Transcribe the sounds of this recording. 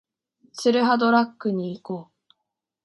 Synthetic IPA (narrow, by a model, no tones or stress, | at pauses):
t͡sɨɾɯ̟ɦad̪o̞ɾakːɯ̟ɲ̟iːko̞ː